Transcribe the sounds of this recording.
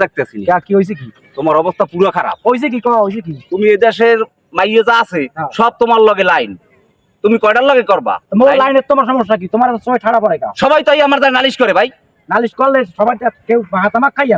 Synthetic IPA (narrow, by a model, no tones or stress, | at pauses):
d̪ek̚t̪easiniakiɦojs̬eki | t̪omaɾɔbost̪ʰapuɾakʰaɾa̰p̚ojs̬ek̬ikɔt̪ʰaɦojs̬ekit̪umied̪ɛʃeɾ | majozaasʰeãʃɔb̚t̪omaɾlɔɡelajn | t̪umikɔjɖaɾlɔɡekɔɾba̰molalajnet̪omaɾʃɔmoʃːak̬it̪omaɾasoeʈʰaɽapɔɾajka̰ʃɔbajt̪ajamaɾd̪aɾnaliʃkɔɾebʱaj | naliʃkɔlːeʃɔbajʈakewbaɦat̪amakʰːaja